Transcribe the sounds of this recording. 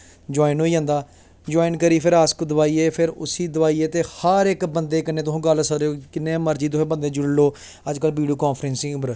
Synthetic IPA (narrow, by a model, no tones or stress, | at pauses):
d͡ʒoːɪnɦoːiːə̃ːnd̪aː | d͡ʒoːiɪnkəɾiːpʰɪɾaːskd̪əʋaːiːeːpʰɪɾʊ̰siːd̪ʊʋaːiːeːt̪eːhəɾɪkbənd̪eːkəneːt̪ʊsũːɡəlsəɾeoːkɪnːẽːməɾd͡ʒiːt̪ʊsẽːbə̃nd̪eːd͡ʒʊɽloː | əd͡ʒkəlʋiːɖijoːkãːnpʰɾɛ̃nsĩːʊbəɾ